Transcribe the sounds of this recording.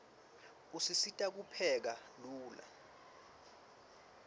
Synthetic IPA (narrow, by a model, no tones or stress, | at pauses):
usisitʼak̬upʰɛk̬aluːla̰